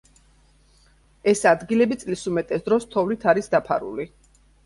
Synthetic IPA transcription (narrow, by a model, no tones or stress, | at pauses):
ɛsad̪ɡilɛbit̪sʼlisumɛt̪ʼɛsd̪ɾɔst̪ʰɔvlit̪ʰaɾisd̪apʰa̰ɾṵli